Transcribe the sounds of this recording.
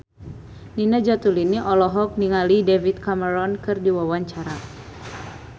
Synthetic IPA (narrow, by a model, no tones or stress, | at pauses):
ninad͡ʒat̪uliniʔɔlɔɦɔk̚niŋalidevit̪̚kaməɾɔnkɨrdiwawaɲt͡ʃaɾa